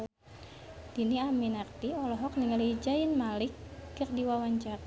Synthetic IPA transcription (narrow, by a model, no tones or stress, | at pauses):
d̥iniaminak̚t̪iɔlɔɦɔk̚niŋalid͡ʒajɪnmalɪk̚ːərdiwawaɲd͡ʒak̚